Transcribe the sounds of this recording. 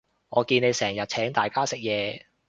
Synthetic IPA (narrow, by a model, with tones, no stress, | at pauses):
ŋɔː˨˧kiː˧ne˨˧jsɛː˨˩ŋjɐ˨t̚t͡ʃʰɛː˨˥ŋt̪aː˨˩jkaː˥sɪ˨k̚jɛː˨˧